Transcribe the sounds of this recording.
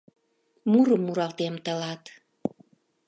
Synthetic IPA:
muɾəmːuɾɑlt̪emt̪ə̆lɑt̪

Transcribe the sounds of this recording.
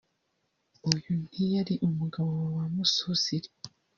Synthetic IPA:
ujunijaɾiʔumuɡaβowawamususiɾi

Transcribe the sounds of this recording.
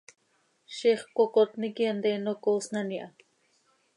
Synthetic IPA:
ʃiχkʷokot̪nikiand̪enokosnaniʔa

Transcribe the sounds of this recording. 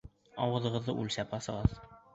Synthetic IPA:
ɒwɤ̆ðɤ̆ʁɤ̆ðːɤʔʉlʲsæpɒsɤ̆ʁɤð

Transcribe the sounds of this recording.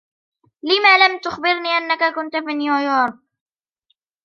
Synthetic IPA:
lɪmaːlamt̪ʊxbɪɾniːʔanːakakʊnt̪afiːnjʊjɑːɾˤ

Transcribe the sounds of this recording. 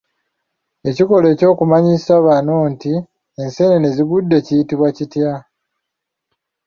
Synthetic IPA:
e̞ciko̞le̞ːco̞ːkumaɲisaβaːnoːnti | ense̞nene̞ziɡudːe̞cijitiβwacitja

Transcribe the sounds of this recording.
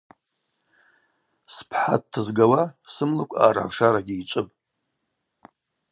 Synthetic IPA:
spʰħa̰t̚tʰːɨzɡawasɨmlɨkʷʼa̰ːra̰ʂaɾaɡʲiit͡ʃʷʼɨpʼ

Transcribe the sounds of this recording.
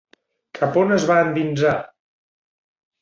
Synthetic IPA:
kʰəponəzβaənd̪inza

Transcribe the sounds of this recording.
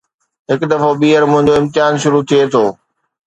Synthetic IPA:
ɦɪkd̪ɐfoɓiːəɾmʊ̃ɦɪ̃ɲd͡ʑoɪ̃mt̪ɪaːnʃʊɾut̪ʰiet̪ʰoː

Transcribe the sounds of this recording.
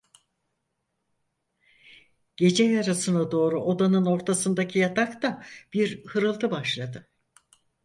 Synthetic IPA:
ɟ̥e̞d͡ʒɛjaɾasɯnad̪o̞ːɾuʔo̞d̪anɯno̞ɾt̪ʰasɯnd̪acʰijat̪ʰakt̪ab̥iɾhɯɾɯlˠt̪ʰɯbaʃlˠad̪ɯ

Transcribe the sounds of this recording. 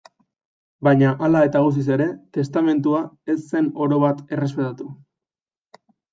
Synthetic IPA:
bajɲaʔalae̞t̪aɣus̬is̬e̞ɾe̞t̪e̞st̪ame̞nt̪uae̞sːe̞no̞ɾo̞βat̪e̞re̞spe̞t̪at̪u

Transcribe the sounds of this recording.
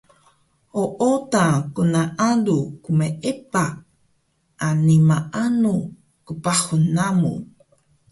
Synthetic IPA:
oʔotãkunaʔadukumeʔepa | ʔanimaʔanu | kupaχunamṵ

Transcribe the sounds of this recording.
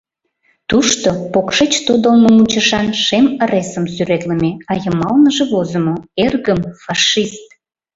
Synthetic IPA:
t̪uʃt̪opokʃet͡ɕt̪od̪əlməmut͡ɕəʃɑnʃemə̆ɾesəmsyɾet̪ləmeɑjəmɑlnəʒĕβozə̆moerɣəmfɑʃist̪̚

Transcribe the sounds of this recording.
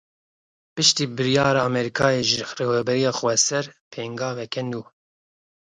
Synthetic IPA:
pɨʃt̪iːbɨɾijɑːɾɑːmɛɾikʰɑːjeːʒreːvɛbɛɾijɑːxwɛsɛɾpʰeːŋɡɑːvɛkʰɛnd̪uː

